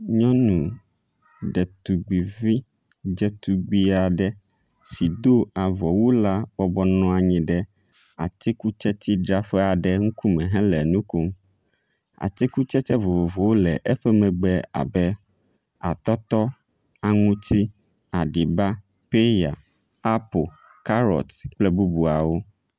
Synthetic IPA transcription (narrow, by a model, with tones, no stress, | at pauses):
ɲɔ̃˦nũ˨ | ɖɛ˨t̪u˨ɡ͡bi˨vi˦ | d͡ʒɛ˦t̪u˨ɡ͡bi˦a˨ɖɛ˦ | si˨d̪o˦a˨vɔ˨wu˦la˦b̥ɔ˦bɔ˦nɔ̃˦a˨ɲĩ˨ɖɛ˦ | a˨t̪i˦ku˦t͡ʃɛ˦t̪i˦ɖɾa˦ɸɛ˦a˨ɖɛ˦ŋ̩˦ku˦mɛ̃˨ɦɛ̃˦lɛ˨nũ˦ko˦m | a̰˨t̪i˦ku˦t͡ʃɛ˦t͡ʃɛ˦vo˨vo˨vo˨wo˦lɛ˨ʔɛ˦ɸɛ˦mɛ̃˨ɡ͡bɛ˦a̰˨bɛ˦ | a̰˨t̪ɔ˦t̪ɔ˦ | a˨ŋũ˦t̪ʰi˦ | a˨ɖi˨ba˦ | pe˦ja˨ | a˦po˨ | ka˦ɾɔ̰˨t̪k͡plɛ˦bu˦bu˨a˨wo˦